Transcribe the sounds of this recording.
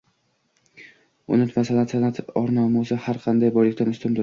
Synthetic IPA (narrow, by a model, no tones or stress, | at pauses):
ʊ̰nɪt̪masalansʰanat̪ʰɒɾnɒmʊzɪhaɾqʰɑnd̪ajbɒjlɪkʲt̪anʊst̪ɪmd̪ʊɾ